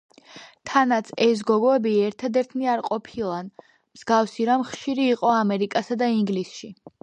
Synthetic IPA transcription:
t̪ʰanat̪sʰɛs̬ɡɔɡɔɛbiɛɾt̪ʰad̪ɛɾt̪ʰniaɾqʼɔpʰilˠan | mz̥ɡafsiɾamχʃiɾiːqʼɔamɛɾikʼasad̪aiŋɡlisʃi

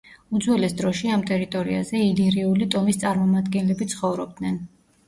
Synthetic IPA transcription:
ud̪zwɛlɛsd̪ɾɔʃiamt̪ʼɛɾit̪ʼɔɾia̰zɛiliɾiulit̪ʼɔmist̪sʼaɾmɔmad̪ɡɛnlɛbit̪sʰχɔvɾɔb̚d̪nɛn

